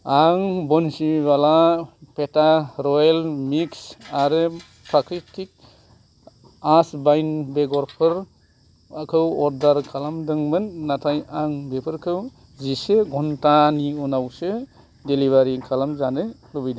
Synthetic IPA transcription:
aŋbɔnsibalapʰetaɾɔjlmiksaɾɯ | pʰɾakɾitik̚ | asbajnbeɡɔɾpʰɯɾ | akʰɯwɔɾdaɾkʰalamdɯŋmɯnːatʰajaŋbepʰɯɾkʰɯw | ziseɡɔntaniɔnawse | deliβaɾikʰalamzanɯlɔbijda

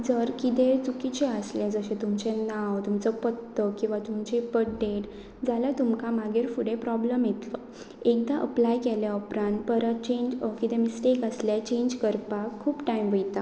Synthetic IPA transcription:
d͡zəɾkit̪et͡sukit͡ɕeəslɛd͡zəɕẽt̪umt͡ɕɛnawt̪umt͡səpət̪ːəkĩw̃ʋat̪umt͡ɕipəɖeʈ | d͡zaljat̪umkamaɡeɾfuɽepɾɔbləmjet̪lə | ek̚d̪aʔə̰plajkɛlaɔpɾãnpəɾət̪t͡ɕẽɲd͡ʑkit̪ẽmisʈekəslet͡ɕẽɲd͡ʑkəɾpakʰːuːpʈajmʋəjt̪a

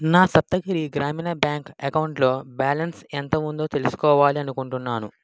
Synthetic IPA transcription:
naːsɐp̚t̪ɐɡiɾiɡɾaːmiːnɐbjaːŋkɐkɐwuɳʈlo̞ːbaːlɐnsent̪ɐmund̪o̞ːt̪e̞lusu̥kɔːʋaːliɐnukuɳʈunːaːnu

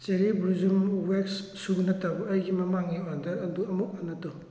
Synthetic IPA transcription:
t͡ʃeɾibɾuzumwekssuɡnɐtabɐɐjɡimɐmaŋiɔndɐɾɐduɐmuk̚anɐtɔ

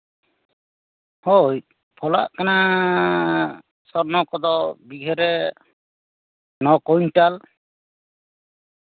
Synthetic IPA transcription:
hoj | pʰɔla̰ʔkana | sɔɾnɔkɔd̪ɔbiɡʱɛɾɛ | nɔkɔjɲtal

